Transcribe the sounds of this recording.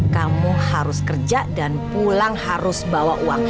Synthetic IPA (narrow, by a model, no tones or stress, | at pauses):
kamuhaɾʊskərd͡ʒadanpulaŋhaɾʊsbawaʔuwaŋ